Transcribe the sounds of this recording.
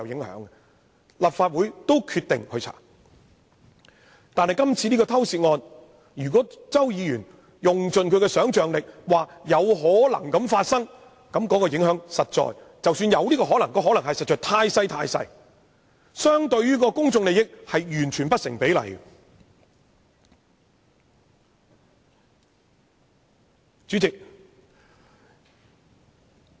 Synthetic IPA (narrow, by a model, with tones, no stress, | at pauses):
ɐ˨˧wjɪ˨˥ŋhœ̰ː˨˥ŋɛ˨ | lɐ˨˩p̚faː˧t̚wuː˨˥jt̪o˥wkʰy˧t̪̚ɪ̰˨ŋkʰɵ˧ɥt͡sʰa̰ː˨˩ | t̪aː˨nhɐ˨jkɐ˥mt͡sʰiː˧niː˥kɔː˧t̪ʰɐ˥wsiː˧t̚ŋɔː˧n | jyː˨˩k̬ɔ˨˥t͡sɐ˥wjiː˨˧jyː˨˩n | jʊ˨ŋt͡sɵ˨nkʰɵ˨˧kɛ˧sœː˨˥ŋt͡ʃœː˨ŋlɪ˨k̚waː˨˩jɐ˨˧wɦɔː˨˥lɐ̰˨˩ŋkɐ˨˥mfaː˧t̚sɐ˥ŋ | kɐ˨˥mkɔː˨˥kɔː˧jɪ˨˥ŋɦœː˨˥ŋsɐ˨t̚t͡ʃɔ̰ː˨j | t͡sɐ˨wsyː˧njɐ˨˧wliː˥kɔː˧ɦɔː˨˥lɐ˨˩ŋkɔː˧ɦɔ˨˥lɐ˨˩ŋɦɐ˨jsɐ˨t̚t͡ʃœː˨t̪ʰaː˧jsɐ˥jt̪ʰa̰ː˧jsɐ̰˧j | sœː˥ŋt̪ɵ˧ɥɥyː˥kɔː˧kʊ˥ŋt͡sʊ˧ŋle˨jɪ˥k̚hɐ˨jjyː˨˩nt͡ʃʰyː˨˩npɐ˥t̚sɪ̰˨˩ŋpe˨˥jlɐ̰˨˩j | t͡ʃyː˨˥t͡sɪ˨k̚